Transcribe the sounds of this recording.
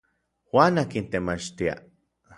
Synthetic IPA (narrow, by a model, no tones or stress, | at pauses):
waːnakint̪emat͡ʃt̪ia̰